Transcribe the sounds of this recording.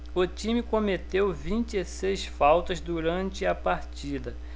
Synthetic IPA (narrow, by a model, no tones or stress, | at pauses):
ʊt͡ʃĩmɪkõmet̪ewvĩnt͡ʃɪesejsfawt̪ɐzd̪uɾɐ̃nt͡ʃɪɐpaɾt͡ʃid̪ɐ